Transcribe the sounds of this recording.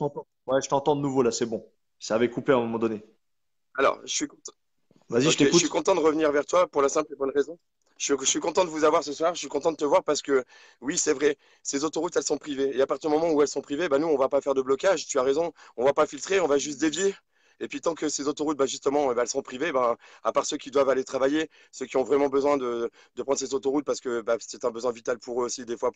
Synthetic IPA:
ə̥t̪ɑ̃t̪ɑ̃ | wɛʒət̪ɑ̃t̪ɑ̃d̪ənuvolasɛbɔ̃ | saːvɛkupeɛ̃mɔmɑ̃d̪ɔne | alɔ̰ʁʒəsɥikɔ̃ | vaziʒət̪euʃɥikɔ̃t̪ɑ̃d̪əʁəvniʁvɛʁt̪wapuʁlasɛ̃plebɔnʁezɔ̃ | ʃəɥiəsɥikɔ̃t̪ɑ̃t̪d̪əvuzavwaʁsəswaʁəʃɥikɔ̃t̪ɑ̃d̪ət̪əvwaʁpaʁsə̥kə | wisɛvʁɛ | sezot̪oʁut̪ɛlsɔ̃pχiveːapaʁt̪iʁd̪əmɔmɑ̃uɛlsɔ̃pχivebanuɔ̃vapafɛʁd̪əblɔkaʒt̪yaʁezɔ̃ɔ̃vapafilt̪χeɔ̃vaʒyst̪̚d̪evje | epɥit̪ɑ̃kəsezot̪oʁut̪̚baʒyst̪əmɑ̃baɛlsɔ̃pχivebaapaʁsøkʲid̪wavalet̪χavaje | søkʲiɔ̃vʁɛmɑ̃bəzwɛ̃d̪ə | d̪̥əpχɑ̃d̪ʁsezot̪oʁut̪̚paʁsə̥kəbasɛt̪ɛ̃bəzwɛ̃vit̪alpuʁøosid̪efwa

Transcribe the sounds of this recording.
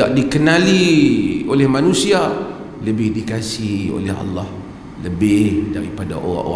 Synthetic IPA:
a̰ʔdikənaliolɛhmanũsia | ləbɪhdikasio̰lɛ̰ɦa̰lːah | ləbɪhdaɾipada̰ʔo̰ɣa̰ʔo̰a

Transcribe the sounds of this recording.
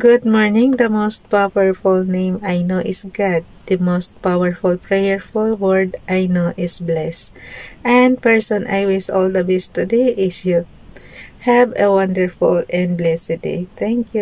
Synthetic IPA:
ɡ̥ʊd̪̚mɔɹnɪ̃ŋd̪ɐmost̪̚pawɛɹfʊlnẽjmajnoʔɪsɡad̪̚d̪ɐmost̪̚pawɛɹfʊlpɹɛjɛɹfʊlwɛɹd̪ʔajnoʔɪsblɛsʔɛ̃nd̪̚pɛɹsɔ̃nʔajwɪsɔld̪ɐbɛst̪ʊd̪ejʔɪsjʊd | hɛvɛwʌ̃nd̪ɛɹfʊlɛ̃nd̪̚blɛsɪd̪ḛt̪ɛ̃ŋkju

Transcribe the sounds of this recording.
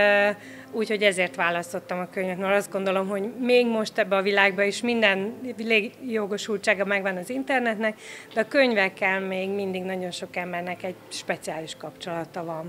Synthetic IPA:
uːcho̞ɟɛzeːrt̪ʋaːlɒst̪o̞t̪ːɒmɒkøɲvɛt̪mɛɾɒzd̪ɡo̞nd̪o̞lo̞mɦo̞ɟmeːɡmo̞ʃt̪ɛbːɛɒvilaːɡbɒiʃmind̪ɛnleːɡjoɡo̞ʃult͡ʃaːɡɒmɛɡʋɒnɒzint̪ɛrnɛt̪nɛkd̪ɛɒkøɲvɛkːɛlmeːɡmind̪iɡnɒɟo̞nʃo̞kɛmbɛrnɛkɛɟʃpɛt̪siaːliʃkɒpt͡ʃo̞lɒt̪ɒvɒn

